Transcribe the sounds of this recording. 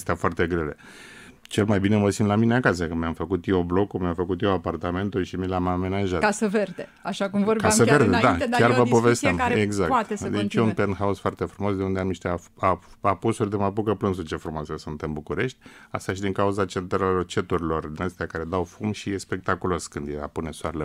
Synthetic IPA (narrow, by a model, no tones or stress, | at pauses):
st̪eafoart̪e̞ɡɾele̞ | t͡ʃe̞lmajbineməsimlamineakasəkəmeamfəkut̪jewblo̞kumʲamfəkut̪jewapart̪ame̞nt̪ulʃimilʲamame̞naʒat̪kasəverd̪e | aʃakumvokasəve̞rd̪ed̪akjarvəpo̞vest̪ameɡzakt̪ed̪et͡ʃeunpenxausfoart̪e̞fɾumo̞s̬d̪eund̪eamniʃt̪e̞a | aapusurʲd̪emapukəplɨnsut͡ʃe̞fɾumoasəsunt̪ɨnbukuɾe̞ʃt̪ʲa̰st̪aʃid̪iŋkauzat͡ʃet̪ɾot͡ʃe̞t̪uɾilo̞rd̪inəst̪eakaɾe̞d̪awfumʃijespe̞k̚t̪akulo̞skɨnd̪jea̰pune̞soaɾele